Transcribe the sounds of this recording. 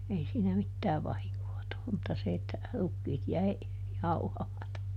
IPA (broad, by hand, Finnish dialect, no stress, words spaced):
ei siːnæ mitːæː ʋɑhiŋkoː tulːum mutːɑ se etːæ rukːiːt jæi jɑuhɑmɑtɑ